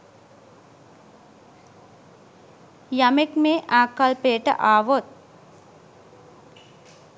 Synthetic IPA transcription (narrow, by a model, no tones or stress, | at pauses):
jamekmeːʔaːkalpejəʈə̰ʔaːʋot̪̚